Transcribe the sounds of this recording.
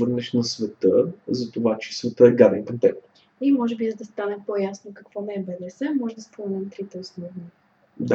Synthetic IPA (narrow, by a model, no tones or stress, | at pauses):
əɾnɛʃnɐsvɛt̪əzɐt̪ovat͡ʃɛ̥svɛt̪əɛɡad̪ɛnkɐnt̪ɛk̪t̪ | imɔʒɛbizɐd̪ɐst̪anɛpɔjasnokɐkvɔnɛːbɛd̪ɛsɛmɔʒɛd̪ɐspomɛnɛmt̪ɾit̪ɛosnɔvni | d̪a